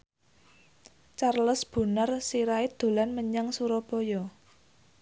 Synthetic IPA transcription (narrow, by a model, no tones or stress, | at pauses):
t͡ʃarləsb̥ṳnarsiɾaɪd̪̥o̤lanməɲaŋsuɾɔpɔjɔ